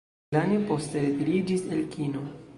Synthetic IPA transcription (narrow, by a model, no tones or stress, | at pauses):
lanepo̞stetiɾid͡ʒiselkʰino